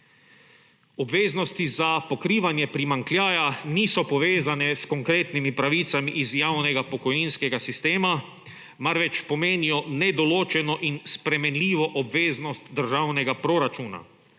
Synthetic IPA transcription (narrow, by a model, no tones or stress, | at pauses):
ɔbʋeːznɔst̪izapɔkɾiːʋanjɛpɾimaŋkljaːjaniːsɔpɔʋeːzanɛskɔŋkɾeːt̪nimipɾaʋiːt̪samiʔːzjaːwnɛɡapɔkɔjinskɛɡasist̪eːma | maɾʋɛt͡ʃpɔmeːnijɔnɛd̪ɔloːt͡ʃɛnɔʔinspɾɛmɛnlʲiːʋɔʔɔbʋeːznɔst̪d̪əɾʒawnɛɡapɾoɾat͡ʃuːna̰